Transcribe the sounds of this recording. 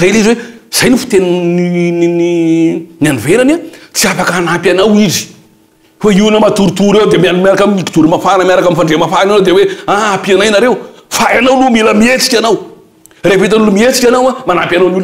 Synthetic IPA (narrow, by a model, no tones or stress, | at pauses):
zelizwe | z̥ajnifu̥t̪enninininaniveɾanat͡siafakəanapʲanawizi̥ | faiunəmat̪uɾit̪uɾewd̪emianumiaɾakamiki̥t̪uɾimafanəmjaɾakamifaɳɖ͡ʐemafananawd̪eweaapianajnaɾewfajanawlumiləmiet͡si̥kʲanaw | refet̪̬anulumiet͡sikʲanawamanapʲanawnil